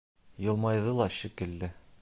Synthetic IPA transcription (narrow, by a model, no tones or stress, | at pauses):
jɤ̆lˠmɑjðɤlˠɑɕikɘ̆lːɘ